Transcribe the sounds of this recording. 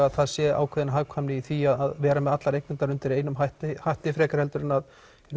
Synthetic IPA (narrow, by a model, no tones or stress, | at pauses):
aðθaðsjɛːʔa̰ːwkʰvɛðɪnaɦaɣkʰvamnɪiθiaðaðvɛːɾamɛðat̪laɾejhknɪnt̪aɾʏnt̪ɪɾeːjnʏmhaht̪ɪhajht̪ɪfɾɛːkaɾ̥hɛlt̪ʏɾɪnað | n